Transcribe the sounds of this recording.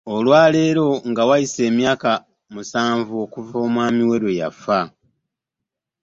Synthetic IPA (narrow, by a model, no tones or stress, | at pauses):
o̞lwaːle̞ːɾo̞ŋɡawajise̞ːmjaːka | musaːɱvuo̞kuvo̞ːmwaːmiwe̞ɾwe̞ja̰fa